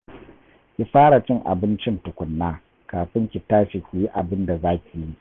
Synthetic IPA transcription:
kʲi˦ɸaː˦ɽa˨t͡ʃɪ˦ŋʔa̰˨bɪ˦nt͡ʃɪ˦ntʊ˨kʷʊ˨nːaː˦ | kaː˨ɸɪ˦ŋkʲɪ˨taː˦ʃi˨kʲʷu˨ji˦ʔa˨bɪ˦nda˨zaː˦kʲi˨ji˦

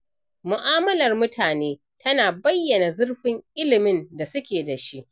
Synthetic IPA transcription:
mʊ˨ʔaː˦mɐ˦lɐ˨rmʊ˦tʰaː˨neː˦ | tʰɐ˦naː˨bɐ˦jːɐ˨na˨zʊ˦rɸɪ˦ŋʔɪ˦lɪ˨mɪ˦nda˨sʊ˦kʲeː˨da˨ʃi˦ʔ

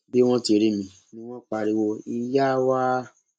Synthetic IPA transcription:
be˦w̃ɔ̃˦ti˧˨˧ɾe˧˨mĩ˨ | nĩ˧˦w̃ɔ̃˦k͡pa˧ɾi˧wo˧i˧ja˦wa˦

